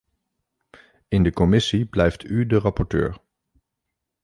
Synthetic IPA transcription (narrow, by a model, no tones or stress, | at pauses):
ɪndəkɔmɪsiblɛjftʰydərɑpɔɹtø̰ːɹ